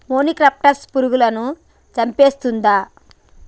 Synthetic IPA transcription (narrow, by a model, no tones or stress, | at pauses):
moːnikɾaːp̚ʈɐɾspuɾuɡulɐnu | t͡ʃɐmpe̞ːst̪und̪aː